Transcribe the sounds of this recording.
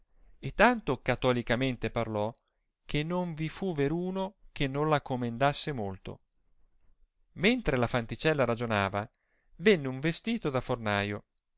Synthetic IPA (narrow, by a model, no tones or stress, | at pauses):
et̪ːant̪okat̪ɔlikament̪eparlɔ | kʰenːoɱvifuveɾuːnok̟enːõnlakːomend̪asːemolt̪o̰ | ment̪ɾelafant̪it͡ʃɛlːaɾad͡ʒonaːva | venːeuɱvest̪iːt̪od̪afornaːjo